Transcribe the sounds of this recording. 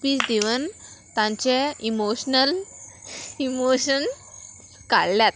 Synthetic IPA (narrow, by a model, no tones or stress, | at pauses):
piːt͡sd̪iʋənt̪ãɲt͡ɕeimoɕnəl | imoɕən | ka̰ɽljat̪